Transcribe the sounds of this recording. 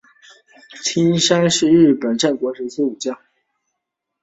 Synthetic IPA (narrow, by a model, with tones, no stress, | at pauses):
t̪ʰi˥nʂa˥nʂɻ̩˥˧ɻɻ̩˥˩pə˨˩nʈ͡ʂa˥˩nkwɔ˧˥ʂɻ̩˧˥sʰu˥u˨˩t͡ɕjɑ˥˩